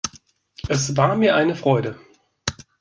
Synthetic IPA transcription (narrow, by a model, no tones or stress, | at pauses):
ʔɛsv̥aːɐmiːɐʔaɪnəfʁ̥ɔʏdə